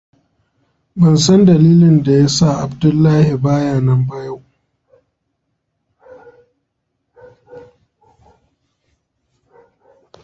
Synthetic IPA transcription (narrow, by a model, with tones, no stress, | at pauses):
bɐ˨nsɐ˦ndɐ˨liː˦lɪ˨nda˨jaː˦sa˦˨ʔa˨bdʊ˦lːaː˦hi˨baː˦jaː˦˨nɐ˦mba˦ja˦˨w